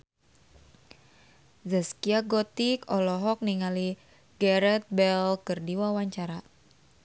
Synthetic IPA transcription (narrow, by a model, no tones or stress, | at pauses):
zaskiaɡɔt̪ikɔlɔɦɔk̚niŋali | ɡɛɾɛt̪̚bɛlkɨrdiwawaɲt͡ʃaɾa